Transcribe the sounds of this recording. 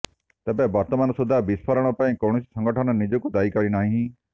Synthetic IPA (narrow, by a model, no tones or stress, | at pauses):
t̪ɛbɛbɐɾt̪əmaːnɔsud̪ʱabispʰəɾəɽ̃ɔpãːĩkowɳ̃ɔsi̥sə̃ŋɡəʈʰənɔnid͡ʒokud̪aːikɐɽinaːɦĩɦĩ